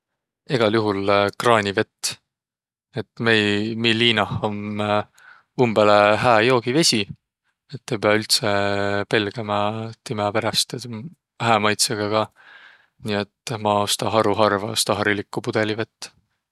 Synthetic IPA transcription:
eɡ̥ɑljuɦulkrɑːnʲive̞t̪ː | et̪ːmejmilːiːnɑho̞m | umb̥eleɦæːjo̞ːɡ̥ive̞sʲi | et̪ːepeɑylt̪sepe̞lɡ̥ɑmɑt̪imɑpe̞ɾɑst̪ | hæːmɑjt̪seɡ̥ɑɡ̥ɑ | niːet̪ːmɑost̪ɑɦɑɾuɦɑrvɑost̪ɑɦɑɾilikːˑupud̪̥e̞live̞t̪ː

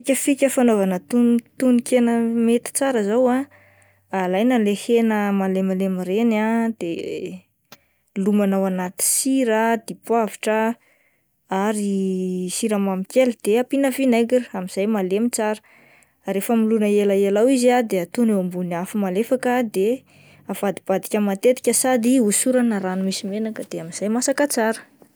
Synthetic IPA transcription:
kʲəfikʲəfanovanət̪unt̪unikʰenəmet̪i̥t͡saɾəzawa | alajnalehenəmalemalemiɾenad̪̥e | lumanawanat̪i̥siɾəd̪̥ipwaviʈ͡ʂə | aɾisiɾamamikʲelid̪̥eapinəfinajɡiramiz̥ajmalemit͡saɾə̥ | refəmilunəelaelawiziad̪eat̪unewambunafimalefakəd̪e | av̥ad̪ib̥ad̪ikʲəmat̪et̪i̥kʲəsad̪iusuɾanəɾanumisimenakəd̪̥eamiz̥ajmasakat͡saɾə̥

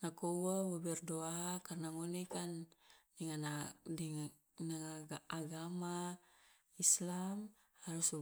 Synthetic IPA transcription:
nakowawabɛrdoakarnaŋonekandiŋanadi | naŋaɡaaɡama | islam | haɾus

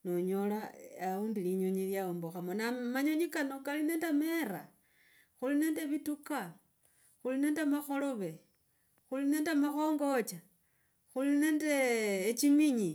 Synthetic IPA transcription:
noɲolaauːndiliɲoɲiljaomboxamonamaɲoɲikanokaline̞ːndemeɾa | xuline̞ːndeβituka | xuline̞ːndemaxo̞lo̞βe̞ | xulineːndemaxoːŋɡot͡ʃa | xulineːndeːt͡ʃimiɲi

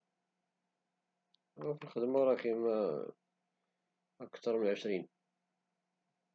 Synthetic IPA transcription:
ʁæfəlxəd̪məɾˤɑχimæ | əkt̪ɑɾˤmənʕəʃɾin

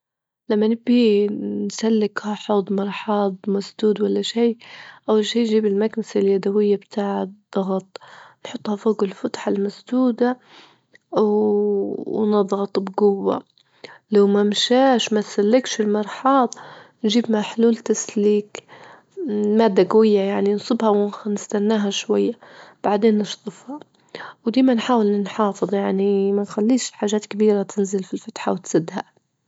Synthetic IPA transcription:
lamːanɪbinsalːɪkhaħoːd̪ˤmɑɾˤħɑːd̪ˤmasd̪uːd̪walːaʃiːʔawːalʃiːnʒiːbɪlmaɡmasaljad̪awɪjːabt̪ʰaːʕd̪̥ˤːɑɣɑt̪ˤnħʊt̪ˤːhɑfoːɡɪlfʊt̪ħalmasd̪uːd̪a | nɑd̪ˤɣɑt̪ˤbɡʊwːa̰ | lawmamʃaːʃmat̪salːɪkʃɪlmɑɾˤħɑːd̪ˤnʒiːbmaħluːlt̪asliːk | maːd̪ːaɡawɪjːajaʕninsˤɨbhawɪnɪst̪anːaːɦaʃwajːab̥aʕd̪eːnːɪʃt̪ˤɨfhɑ | wd̪iːmanħaːwɪlnɪnħɑːfɨðˤjaʕnimanxalːiːʃħaːʒaːt̪kabiːɾat̪ʰɪnzɪlfilfat̪ħawt̪sɨd̪ːha

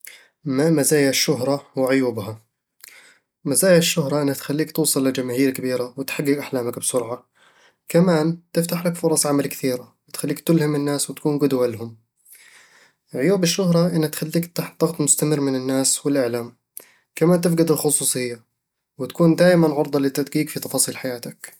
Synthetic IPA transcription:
mamazaːjaʃːʊɦɾˤɑwɪʕʊjuːbha | mazaːjaʃːʊhɾˤɑʔɪnːhat̪xalːiːkt̪uːsˤɨlːɪd͡ʒamaːhiːɾkabiːɾawɪt̪ħaɡːɪɡʔaħlaːmakbsʊɾʕa | kamaːnt̪ɪft̪aħlakfʊɾˤɑsˤʕamalkθiːɾawɪt̪xalːiːkt̪ɪlhɪmɪnːaːswɪt̪akuːnɡʊd̪walɦʊm | ʕʊjuːbɪʃːʊɦɾˤɑʔɪnːat̪xalːiːkt̪aħd̪ˤɑɣt̪ˤmʊst̪amɪrːmɪnɪnːaːswɪlʔɪʕlaːm | kamaːnt̪ɪf̬ɡad̪ɪlxʊsˤuːsˤɨjːa | wɪt̪ḁkuːnd̪aːʔmanʕʊɾd̪ˤɑlɪt̪ːad̪ɡiːkfit̪ɑfɑːsˤiːlħajaːt̪ak

